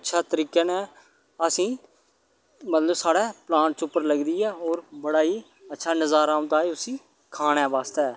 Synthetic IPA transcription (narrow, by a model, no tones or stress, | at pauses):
ətːʃʰaːt̪əɾiːkeːnɛ̃ː | əsĩː | mət̪ləbsaːɽɛːplãːɳt͡ʃʊpːəɾləɡd̪iːɛːoːɾbəɽaːiː | ətːʃʰaːnəzaːɾaːʊ̃nd̪aːeːʊsĩː | kʰaːɽ̃ɛːʋaːst̪eɛː